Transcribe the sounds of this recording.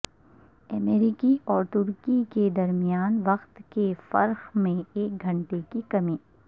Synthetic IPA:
ɐmeːɾikiʔɔːɾt̪ʊɾkiked̪ɐɾmijaːnʋɐqt̪kefɐ̰ɾxmẽeːk̚ɡʱɐ̃ɳʈekikɐmẽː

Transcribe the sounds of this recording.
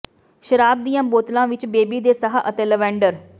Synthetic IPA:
ʃəɾaːb̚d̪ijãːboːt̪lãːʋɪt͡ʃbeːbiːd̪eːsəɦaʔət̪eːləʋɛ̃ːɳɖəɾ

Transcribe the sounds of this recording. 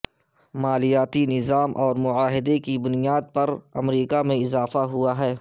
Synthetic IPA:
maːlijaːt̪inɪzaːmʔɔːɾmʊaːɦɪd̪ekibʊnijaːd̪̚pɐɾɐ̰mɾiːkamẽɪzaːfaɦʊaɦɛː

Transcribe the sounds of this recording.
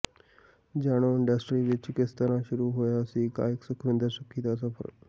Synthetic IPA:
d͡ʑaɽ̃oɪɳɖəsʈɾiʋit͡ʃkest̪ənãʃuɾuɦojasika̰eksukʰɾɪ̃nd̪əɾsəkʰit̪asəpʰə̰ɾ

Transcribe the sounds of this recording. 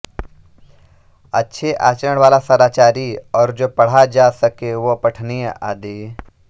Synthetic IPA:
ɐtːʃʰeʔa̰ːt͡ʃəəɽ̃ʋaːlasəɾaːt͡ʃaːɾiɔːɾd͡ʒoːpɐɽ̤ad͡ʒaːsəkeʋopɐʈʰnieʔa̰ːd̪iː

